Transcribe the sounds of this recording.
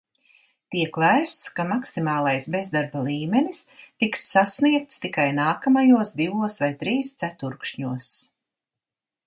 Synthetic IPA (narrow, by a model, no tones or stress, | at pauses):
t̪iɛklˠajst̪skamaksimaːlˠajsbezd̪aɾbalˠiːmenist̪iksːasniɛk̚t̪st̪ikajnaːkamajuɔsd̪ivuɔsvajt̪ɾiːst̪sæt̪uɾkʃɲuɔs